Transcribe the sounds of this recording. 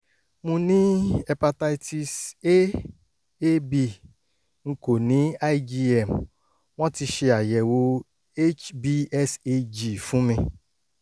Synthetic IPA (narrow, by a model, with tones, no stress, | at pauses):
mũ˧nĩ˦ɛ˨pa˧ta˦i˦ti˨se˦ | e˦bi˨ | ŋ̩˦ko˨nĩ˦a˦i˦d͡ʒi˦ɛ˨m̩˨ | w̃ɔ̃˦ti˧ʃi˧a˨jɛ˨wo˧ | e˦t͡ʃbi˦ɛ˦se˦d͡ʒi˨fũ˦mĩ˧